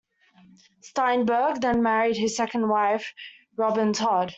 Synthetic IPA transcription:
stãɪ̃nbɜːɡ̚ðə̃nmæɹid̚ɪz̥sɛkə̃nd̚waɪf | ɹɑbɪ̃ntʰɑd̥

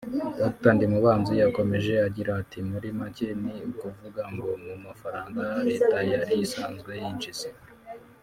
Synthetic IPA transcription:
doktandimuβaːnzijako̞me̞ʒe̞aɟiɾaːtʰimuɾimaceniukuvuɡaŋɡo̞mumafaɾaːŋɡaɾe̞ːtajaɾijisaːnzɡwe̞jint͡ʃisi

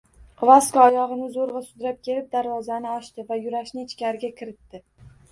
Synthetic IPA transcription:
qʰvˠaskɒːjɒʁɨnɪzoɾʁɑsʊd̪ɾap̚kʲʰe̞lɪp̚d̪aɾvɒzanɪɒʃt̪ɪvajʊɾaʃnɪt͡ʃʰkʲaɾɡʲakʲʰɪɾɪt̪ːɪ

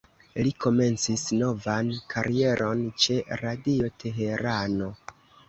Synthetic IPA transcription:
liko̞me̞nt͡sisno̞vankʰaɾie̞ɾʔo̞nt͡ʃe̞ɾadio̞tʰe̞ɦe̞ɾano̞

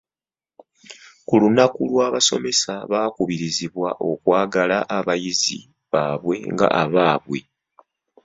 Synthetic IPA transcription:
kulunakulwaːβaso̞̰me̞saβaːkuβiɾiziβwaʔo̞kwaːɡalaʔaβajizḭ | βaːβwe̞̰ŋɡa̰ʔaβaːβwe̞̰

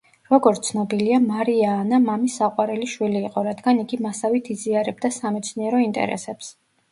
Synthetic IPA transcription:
ɾɔɡɔɾt̪sʰnɔbiliamaɾiaːnamamisaqʼwaɾɛliʃwiliːqʼɔɾad̪ɡaniɡimasavit̪ʰiziaɾɛb̚d̪asamɛt̪sʰniɛɾɔint̪ʼɛ̰ɾɛ̰sɛps

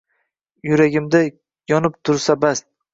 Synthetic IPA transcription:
jʊɾaɡʲɪmd̪a | jɒnɪp̚t̪ʰʊɾsabast̪̚

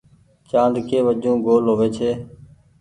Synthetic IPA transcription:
t͡ʃãːnd̪kʰeːʋəd͡ʒũːɡoːlɦoːʋeːt͡ʃʰeː

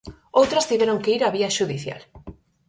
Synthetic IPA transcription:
owt̪ɾɐst̪iβeɾoŋkeiɾaβiɐʃuðiθja̰l

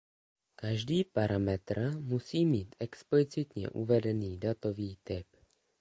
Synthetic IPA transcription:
kaʒdiːpaɾamɛt̪rmusiːmiːt̪ʔɛksplɪt͡sɪt̪ɲɛ̰ʔṵvɛdɛniːdat̪o̞viːt̪ɪp

